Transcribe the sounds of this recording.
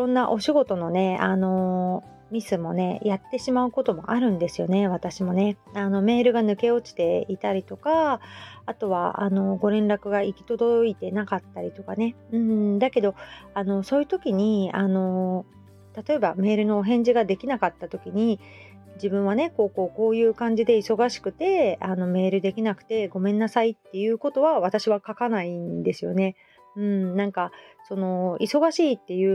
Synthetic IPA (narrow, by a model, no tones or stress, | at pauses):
iɾõ̞nːaʔo̞ɕiɡo̞t̪o̞no̞ne̞ano̞ | mʲisɨmo̞ne̞jat̪ːe̞ɕimaɯ̟ko̞t̪o̞mo̞̰ʔaɾɯ̟̃nd̪e̞sɨjo̞ne̞βat̪aɕimo̞ne̞ano̞me̞ːɾɯ̟ɡanɯ̟ke̞o̞t͡ɕi̥t̪e̞it̪aɾʲit̪o̞kaː | t̪o̞βa̰ʔa̰no̞ɡo̞ɾẽ̞nɾakɯ̟ɡaikʲi̥t̪o̞d̪o̞it̪e̞nakat̪ːaɾʲit̪o̞kane̞ɯ̟̃ɴd̪ake̞d̪o̞ano̞so̞ːjɯ̟t̪o̞kʲiɲ̟iano̞ | t̪at̪o̞e̞bame̞ːɾɯno̞ɦẽ̞ɲ̟d͡ʑiɡad̪e̞kʲinakat̪ːat̪o̞kʲiɲ̟i | d͡ʑibɯ̟̃ɰ̃β̞ane̞ko̞ːko̞ːko̞ːjɯ̟ːkãɲ̟d͡ʑid̪e̞iso̞ɡaɕi̥kɯ̟t̪e̞ano̞me̞ːɾɯ̟d̪e̞kʲinakɯ̟̥t̪e̞ɡo̞mẽ̞nːasait̪ːe̞jɯ̟ːko̞t̪o̞βaβat̪aɕiβakakanaind̪e̞sɨjo̞̰ne̞ | ɯ̟̃ɴnãŋkaso̞no̞iso̞ɡaɕiːt̪ːe̞jɯ̟ː